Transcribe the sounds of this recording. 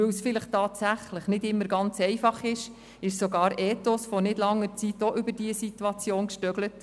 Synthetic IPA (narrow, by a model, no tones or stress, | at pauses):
øwsfɪləχtɑːtsæχləχnɪdɪmːəɾɡɑnt͡sɛɪfɑχɪʃ | ɪʃsoɡɑːɾɛːtosfonɪdlɑŋːəɾt͡sitoʔʏbəɾd̥iəsitwɑt͡sjoːnkʃtœɡlət